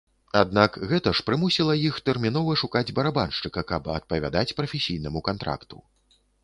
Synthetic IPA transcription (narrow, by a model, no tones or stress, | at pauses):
ad̪nakɣɛt̪ɐʂpɾɨmusʲilˠɐjixt̪ɛrmʲin̪ɔvɐʂukad͡zʲbɐɾabanʂt͡ʂɨkɐkɐbɐ̰t̪̚pɐvʲa̰d̪at͡sʲpɾɐfʲesʲijn̪ɐmukant̪ɾa̰kt̪ṵ